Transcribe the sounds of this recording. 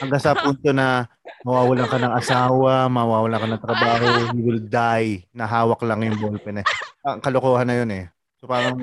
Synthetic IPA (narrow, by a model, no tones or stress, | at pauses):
hɐŋɡaŋsɐpunt̪o̞nɐ | mɐwaːwɐlaŋkɐnɐŋʔɐsaːwɐmɐwaːwɐlaŋkɐnɐŋt̪ɾɐbaːho̞hiwɪld̪ajnɐɦaːwɐklɐŋjʊŋbolpɛnɛɐkɐlokoːhanːɐjo̞nɛ | sopaːɾɐŋ